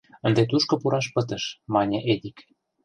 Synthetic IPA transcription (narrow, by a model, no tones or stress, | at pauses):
ə̆nd̪et̪uʃkɤ̆puɾʔɑʃpə̆t̪ə̆ʃmɑnʲɤ̆ʔed̪ik